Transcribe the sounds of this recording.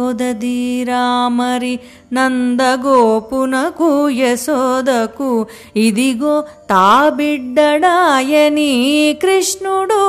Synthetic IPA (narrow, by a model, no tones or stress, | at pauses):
d̪ɐd̪iːɾaːmɐɾi | nɐnd̪ɐɡoːpunɐkujesoːd̪ɐkːu | id̪iɡoːt̪aːbiɖːɐɽaːjenikɾiʂɳuɽu